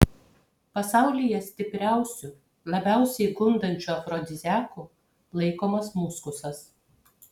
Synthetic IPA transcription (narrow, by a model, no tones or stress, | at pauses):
pɐsɑˑʊlʲɪjɛsʲt̪ʲɪpʲɾʲæˑʊsʲʊ | lˠɐbʲæˑʊsʲɛɪɡʊnd̪ɐnʲt͡ʃʲuɐfɾɔd̪ʲɪzʲæːku | lˠɐɪkoːmɐsmuskʊsɐs